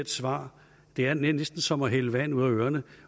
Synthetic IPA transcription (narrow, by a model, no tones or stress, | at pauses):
ed̥sʋɑ̰̈ː | d̥e̝æɐnenesd̥n̩sɒ̽mɒɦeləʋænuð̞̰ˠɐøːɐnə